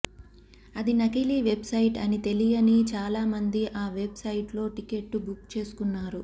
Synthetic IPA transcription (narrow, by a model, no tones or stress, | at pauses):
ɐd̪inɐkiliːʋe̞bsɐjiʈɐ̰nit̪e̞lijɐnit͡ʃaːlaːmɐnd̪iʔaːʋe̞bsɐjiʈlo̞ːʈike̞ʈːubukt͡ʃe̞ːsu̥kunːaːɾu